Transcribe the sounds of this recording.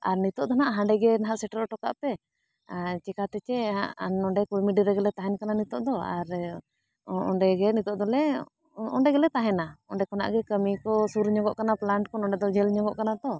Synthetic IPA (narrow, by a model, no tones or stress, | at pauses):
a̰ɾnit̪ɔʔd̪ɔnaʔɦãɳɖɛɡɛnaɦaʔsɛʈəɾɔʈɔka̰ʔpɛ | t͡ʃɛkat̪ɛt͡ʃɛɦaʔnɔɳɖɛkujmiɖiɾɛɡɛlɛt̪aɦɛnkananit̪ɔʔd̪ɔa̰ɾ | ɔɳɖɛɡɛnit̪ɔʔd̪ɔlɛ | ɔɳɖɛɡɛlɛt̪aɦɛnaɔɳɖɛkɔna̰ʔɡɛkəmikɔsuɾɲɔɡɔʔkanaplaɳʈkɔnɔɳɖɛd̪ɔd͡ʒɛlɲɔɡɔʔkanad̪ɔ